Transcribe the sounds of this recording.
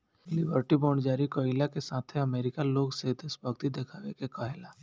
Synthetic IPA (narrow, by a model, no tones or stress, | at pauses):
lɪbəɾʈibɔːɳd͡ʒaːɾikoːɪlakesaːt̪ʰeɐmeːɾɪkaloːɡsed̪ɪsbəɡt̪id̪eːkʰaːʋekekɐɦɛlaː